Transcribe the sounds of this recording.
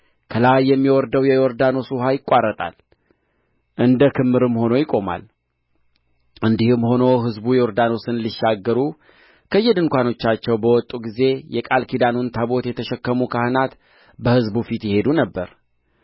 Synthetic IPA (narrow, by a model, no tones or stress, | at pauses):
kʰəlajːɛmːiwɔɾd̪əwjɛoɾd̪ano̞suɦajɪkʷʼːarːət̪ʼa̰l | ʔɨnd̪əkʰɨmːɨɾɨmho̞no̞jɪkʼo̞ma̰l | ʔɨnd̪ihɨmːho̞no̞ɦɨzbujɛoɾd̪ano̞sɨnliʃːaɡːəɾu | kʰəjːɛd̪ɨŋkʷano̞t͡ʃːat͡ʃːɛwbəwɔt̪ʼuɡize̞jɛkʼalkʰid̪anont̪ʰabo̞t̪jɛt̪ʰəʃɛkːəmukʰahɨnat̪ | bəhɨzbufit̪jɪhe̞d̪unəbːəɾ